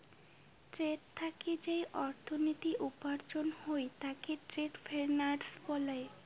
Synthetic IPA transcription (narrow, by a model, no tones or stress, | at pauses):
ʈɾeʈ̚t̪ʰaked͡ʑejʔɔɾt̪ʰonit̪iʔupaɾd͡ʑonhojt̪akeʈɾeʈfʰeɾnaɖsbɔlae